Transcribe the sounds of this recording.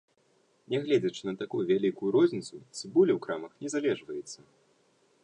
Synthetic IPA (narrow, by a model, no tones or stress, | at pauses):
nʲɛɣlʲɛd͡zʲɐt͡ʂɨ̥nɐt̪akujuvʲalʲikujuɾɔzʲnʲit̪sut͡sʲibulʲɛwkɾamɐxnʲɛzalʲɛʐvɐjɛt̪sːɐ